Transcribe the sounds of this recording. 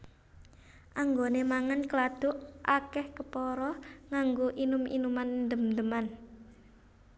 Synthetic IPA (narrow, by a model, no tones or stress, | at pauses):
ʔaŋɡonemaŋankəlad̪̥ʊ̤ʔʔakɛhkəpɔɾɔŋaŋɡoʔinʊmḭnumannd̪əmd̪əman